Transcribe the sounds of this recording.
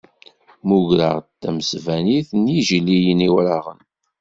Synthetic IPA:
muʝɾəʁt̪ːæməsvæniθniʒlijəniwɾaʁə̰n

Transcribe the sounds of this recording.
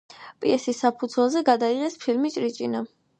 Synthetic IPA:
pʼiɛsisːapʰud̪zwɛlˠzɛɡad̪aiʁɛspʰilmit͡ʃʼɾit͡ʃʼina

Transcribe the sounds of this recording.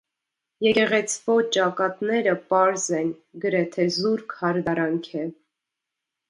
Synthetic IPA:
jɛkɛʁɛt͡sʰvɔt͡ʃɑkɑt̪nɛɾəpɑɾzɛn | ɡəɾɛt̪ʰɛzuɾkʰhɑɾd̪ɑɾɑŋkʰɛ

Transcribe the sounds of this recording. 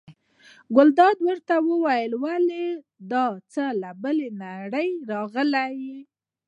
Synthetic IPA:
ɡʊld̪ɑd̪wəɾt̪awəwajəlwale | d̪ɑt͡səlabəlenaɽəjɾɑɣəlaji

